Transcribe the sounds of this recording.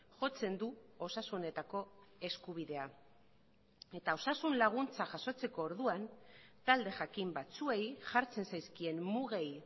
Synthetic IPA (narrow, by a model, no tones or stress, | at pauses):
ʝo̞t͡se̞nd̪uo̞sasune̞t̪ako̞e̞skuβ̞iðe̞a | e̞t̪ao̞sasunlaɣ̞unt͡saʝaso̞t͡se̞ko̞ːɾðuant̪ald̪e̞ʝakimbat͡sue̞jʝaɾt͡se̞nsajskie̞nmuɣaj